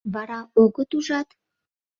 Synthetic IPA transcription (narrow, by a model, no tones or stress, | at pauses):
βɑɾɑoɣət̪uʒɑt̪